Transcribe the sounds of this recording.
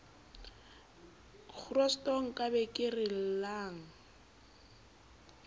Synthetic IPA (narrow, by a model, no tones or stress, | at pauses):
k͡xʰrɔstʼɔŋ̩kʼabɛkʼɪrɪl̩laːŋ̩